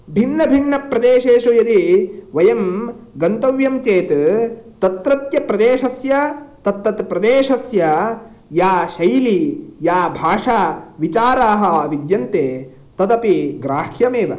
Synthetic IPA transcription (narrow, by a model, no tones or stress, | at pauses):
bʱinːɐbʱinːɐpɾɐd̪eːʃeːʃujɐd̪iʋɐjɐmɡɐnt̪ɐʋjɐmt͡ʃeːt̪t̪ɐt̪ɾɐt̪jɐpɾɐd̪eːʃɐsjɐt̪ɐt̪ːɐt̪pɾɐd̪eːʃɐsjɐ | jaːʃɐjlijaːbʱaːʂaːʋit͡ʃaːɾaːɦɐ̆ʋid̪jɐnt̪eː | t̪ɐd̪ɐpiɡɾaːkʰjɐmeːʋɐ̰